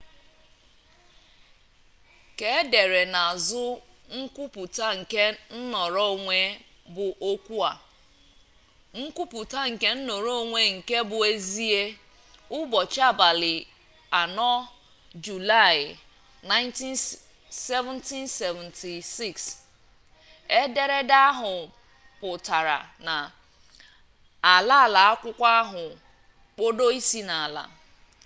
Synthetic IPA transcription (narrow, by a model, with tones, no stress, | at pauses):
ke˨e˦de˨ɾe˨na˨a˨zʊ˦ | ŋ̩˦kʷu˦pʊ˨ta˦ŋ̩˨ke˦n̩˦nɔ˨ɾo˦˨ŋʷe˦ | bʊ˨ʔo˦kʷu˦a˨ | ŋ̩˦ku˦pʊ˨ta˦ŋ̩˨ke˦n̩˦no˨ɾo˦˨ŋʷe˦ŋ̩˨ke˦bʊ˨e˦zi˦e˦ | ʊ˦bɔ˨t͡ʃa˦˨ba˨lɪ˨ | a˨nɔ˦ | d͡ʒu˨la˦˨ɪ˨ | na˦ɪ˦nti˦n | se˦vɛ˦nti˦nse˨vɛ̃˨ntʰi˨si˦˨ks | e˦de˦ɾe˦da˦ɦʊ˨ | pʊ˨ta˨ɾa̰˨na˨ | a˨la˦a˨la˨a˦kʷʊ˦kʷa˦ɦʊ˨ | k͡po˦do˦i˦si˦na˨a˨la̰˨